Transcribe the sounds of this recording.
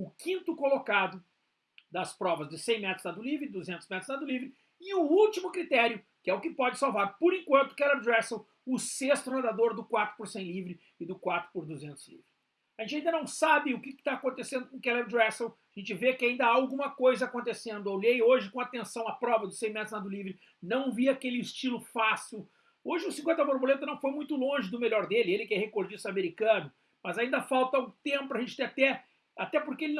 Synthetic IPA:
ʊkĩnt̪ʊkolokad̪ʊ | d̪ɐspɾɔvɐzd͡ʒɪsẽj̃mɛt̪ɾʊ̥znad̪ʊlivɾɪd̪uzẽnt̪ʊzmɛt̪ɾʊznad̪ʊlivɾɪ | ɪʊut͡ʃimʊkɾit̪ɛɾjʊ | kɪɛʊkɪpɔd͡ʒɪsawvaɾpoɾẽkwɐ̃nt̪ʊ̥kɛlɛɾd̪ɾɛsew | ʊsest̪ʊɾẽd̪ad̪oɾd̪ʊkwat̪ɾʊ̥poɾsẽj̃livɾɪ | ɪd̪ʊkwat̪ɾʊ̥pʊɾd̪uzẽnt̪ʊz̥lḭvɾɪs | aʒẽnt͡ʃaĩd̪ɐnɐ̃w̃sabɪʊkɪkɪ̥t̪aːkõnt̪esẽnd̪ʊkõkɛlɛbd̪ɾɛsewaʒẽnt͡ʃɪvekɪaĩnd̪ɐaawɡũmɐkojzɐaːkõnt̪esẽnd̪ʊoʎejoʒɪkõat̪ẽsɐ̃w̃ɐpɾɔvɐd̪ʊsẽj̃mɛt̪slad̪ʊlivɾɪ | nɐ̃w̃viakelɪst͡ʃilʊfasiw | oʒɪʊsĩkwẽnt̪ɐfoɾbolẽnt̪ɐnɐ̃w̃fojmũj̃t̪ʊlõʒɪd̪ʊmeʎjɔɾd̪elɪelɪkɪɛhekoɾd͡ʒist̪ameɾikɐ̃nʊ | mɐzaĩnd̪ɐfawt̪ɐũt̪ẽmpʊpɾɐʒẽt͡ʃɪ̥t̪eɾat̪ɛ | at̪ɛpoɾkeelɪn

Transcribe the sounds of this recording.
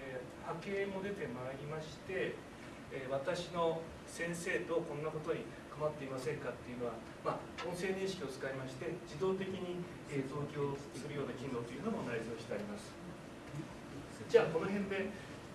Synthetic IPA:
e | hake̞ːmo̞d̪e̞t̪e̞maːɾʲimaɕi̥t̪e̞ | βat̪aɕino̞ | sẽ̞ɰ̃se̞ːt̪o̞kõ̞nːako̞t̪o̞ɲ̟i | kamat̪ːe̞imasẽ̞ŋkat̪ːe̞iɯ̟no̞βa | maõ̞ɰ̃sẽ̞ɲʲːĩɕi̥kʲio̞t͡sɨ̥kaimaɕi̥t̪e̞d͡ʑid̪o̞ːt̪e̞kʲiɲ̟i | ed̪o̞ːkʲo̞ː | sɨɾɯjo̞ːnakʲĩnd̪o̞t̪ːojɯ̟no̞monaizoːɕi̥t̪eaɾʲimasɨ̥ | d͡ʑaːko̞no̞ɦẽ̞nd̪e̞

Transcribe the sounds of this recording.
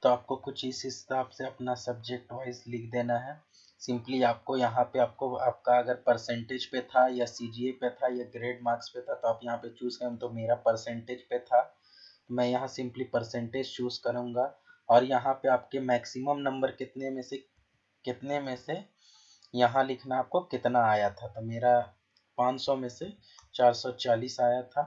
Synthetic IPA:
t̪oaːp̚kokʊt͡ʃʰisɪstaːpseɐpnasɐb̚d͡ʒek̚ʈʋaːɪzlɪkʰd̪eːnaɦɛː | sɪ̃mpliaːp̚kojɐɦãpeaːp̚koaːp̚kaɐɡəɾpɐɾsɛ̃ɳʈed͡ʒpet̪ʰajasiːd͡ʒiepet̪ʰajaɡɾeːɖmaːɾkspet̪ʰat̪oaːpjɐɦãpet͡ʃuːzkɐɾũt̪omeːɾapɐɾsɛ̃ɳʈed͡ʒpet̪ʰa | t̪omɛ̃ːjɐɦãsɪ̃mplipɐɾsɛ̃ɳʈeːd͡ʒt͡ʃuːzkɐɾũːŋ̆ɡaɔːɾjɐɦãpeaːpkemɛːksɪməmnɐ̃mbəɾkɪt̪nemẽse | kɪt̪nemẽse | jɐɦãlɪkʰnaːp̚kokɪt̪naaːjat̪ʰat̪omeːɾa | pãːt͡ʃsɔmẽse | t͡ʃaːɾsɔt͡ʃaːliːsaːjat̪ʰaː

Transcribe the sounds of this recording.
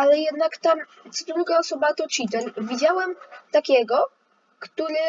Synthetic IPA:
alɛjɛd̪nakt̪am | t̪sɔd̪ɾuɡaɔsɔbat̪ɔt͡ɕit̪ɛlvʲid͡ʑawɛmt̪akʲɛɡɔ | kt̪uɾɘ

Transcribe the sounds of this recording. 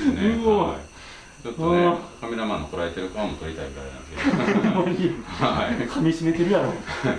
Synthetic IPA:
ɯo | t͡ɕot̪oakamʲeɾamãnːokoɾaet̪e̞ɾɯkaamːot̪oɾʲit̪aiaɾena̰neskemːaɲiakʰamʲiɕinet̪eɾɯ̟jaɾoː

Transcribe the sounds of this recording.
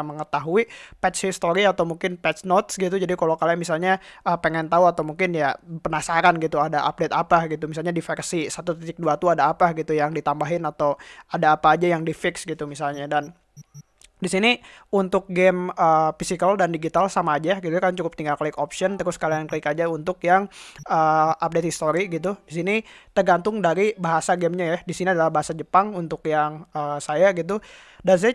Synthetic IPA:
məŋət̪aɦuipɛt̪t͡ʃhist̪oɾiat̪awmuŋkɪnpɛt̪snot̪sɡit̪ud͡ʒadikalokalamisalɲaʔəpəŋɛnt̪auat̪awmuŋkɪnjapənasaɾanɡit̪uadaʔa̰p̚det̪apaɡit̪umis̬alɲadifɛrsisat̪ut̪it̪ɪk̚duat̪uadaːpaɡit̪ujaŋdit̪ambaɦɪnat̪awadaːpaːd͡ʒajaŋdifɪksɡit̪umisalɲadan | disiniunt̪ʊk̚ɡɛməːfisikaldandiɡit̪alsamaːd͡ʒaɡit̪ukant͡ʃukʊp̚t̪iŋɡaklɪkopsɔnt̪əɾʊskaliaŋkaɪkad͡ʒaunt̪ʊkjaŋəːap̚det̪hist̪oɾiɡit̪̬udisinit̪ərɡant̪ʊŋdaɾibaɦasaɡɛmɲajahdisiniadalahbaɦasad͡ʒəpaŋunt̪ʊkjaŋəːsajaɡit̪̬u | dans̬aa

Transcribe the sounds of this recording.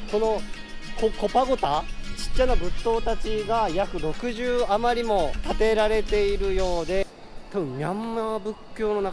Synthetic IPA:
ko̞no̞ | koko̞paɡo̞t̪at͡ɕi̥t͡ɕːanabɯ̟t̪ːo̞ːt̪at͡ɕiɡajakɯ̟ɾo̞kɯ̟ʑɨːamaɾʲimo̞t̪at̪e̞ɾaɾe̞t̪e̞iɾɯ̟jo̞ːd̪e̞ | t̪abɯ̟̃mmʲãmːabɯ̟kʲːo̞ːno̞na

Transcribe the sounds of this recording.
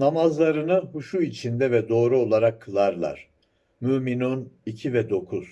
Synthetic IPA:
namazlˠaɾɯnɯhuʃuit͡ʃʰind̪ɛvɛd̪o̞ːɾuo̞lˠaɾakʰːɯlˠaɾlˠa̰ɾ̥ | myminunicʰivɛd̪o̞kʰuz̥

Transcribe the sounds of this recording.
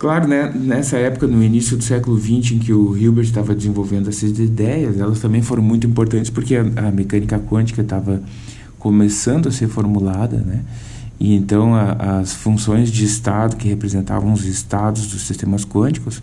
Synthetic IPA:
klaɾʊnɛnɛsɐɛpʊkɐnʊinisjʊd̪ʊsɛkʊlʊvĩnt͡ʃɪẽkɪʊɦiwbeɾt̪avɐd̪ɪzẽvowvẽnd̪ʊɛsɐzd̪ed̪ɛjɐzɛlɐst̪ɐ̃mbẽj̃foɾɐ̃w̃mũj̃t̪ʊĩpoɾt̪ɐ̃nt͡ʃɪ̥spoɾkeɐɐmekɐ̃nikɐkwɐ̃nt͡ʃi̥kɐt̪avɐ | komesɐ̃nd̪ʊɐseɾfoɾmulad̪ɐ̰nɛ | ɪ̰ẽnt̪ɐ̃w̃ɐʔɐsfũsõj̃zd͡ʒɪːst̪ad̪ʊkɪhepɾezẽnt̪a̰vɐ̃w̃ʊzɪst̪ad̪ʊzd̪ʊssist̪ẽmɐskwɐ̃t͡ʃi̥kʊs

